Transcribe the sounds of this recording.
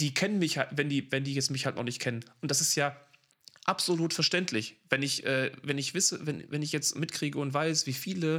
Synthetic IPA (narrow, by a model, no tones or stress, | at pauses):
d̥iːkʰɛnənmɪçhalvɛndiːvɛndiːjɛt͡stmɪçhaltnʔɔχnɪçtkʰɛnənʔʊntd̥asɪstjaː | ʔapz̥oluːtfɛɐʃtɛntʰlɪçvɛnɪçʔɛːvɛnɪçv̥ɪsəvɛnvɛnɪçjɛt͡stmɪtkʁ̥iːɡəʊntv̥aɪsv̥iːfiːlə